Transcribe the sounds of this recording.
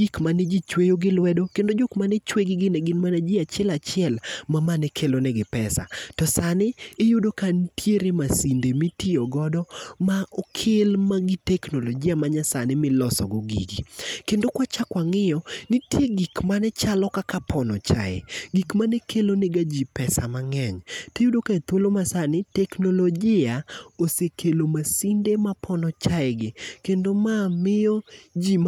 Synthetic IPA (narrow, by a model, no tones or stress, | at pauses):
ɡikmaned͡ʒit͡ʃwejoɡɪlwɛdokendod͡ʒokmanɛt͡ʃweɡɪɡɪnɛɡɪnmaned͡ʒiat͡ʃjɛlat͡ʃɪɛlmamanɛkʰelonɛɡɪpɛsa̰tɔsanɪːjudokantʰjeɾemasindemitioɡɔdɔmaʔɔkʰɪlmaɡɪtɛknoloɡiamaɲasanɪmɪlɔsɔ̰ɡoɡḭɡikendokwat͡ʃakwaŋɪjɔnɪtjeɡikmanɛt͡ʃalɔkakapʰɔnɔt͡ʃa̰ɛ̰ɡikmanɛkʰeloneɡad͡ʒipɛsa̰maŋɛɲtejudokaet̪wolomasanɪtɛknoloɡɪaosekʰelomasindemapʰɔnɔt͡ʃaɛɡɪkendomamɪjɔd͡ʒim